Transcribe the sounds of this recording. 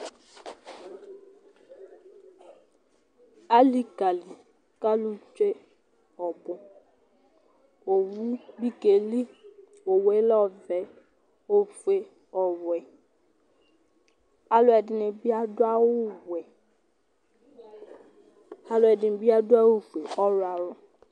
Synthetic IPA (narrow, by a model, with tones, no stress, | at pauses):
a˦li˦ka˨li˨ | ka˦lʊ˦t͡ʃe˦ | ɔ˨bʊ̃˦ | o˨wu˦bi˦ke˨li˦ | o˨wɛ˨˦lɔ˦˨vɛ˨ | o˨fu˨e˨ | ɔ˨wɛ˨ | a˦lʊ˨ɛ˨dɪ˨nɪ̃˨bi˦a˦dʊ˦a˦wʊ˦wɛ˨ | a˨lʊ˨ɛ˨dɪ˨nɪ˨bi˦a˦dʊ˦a˦wʊ˦fu˨e˨ɔ˦ɾa˨ɾʊ˦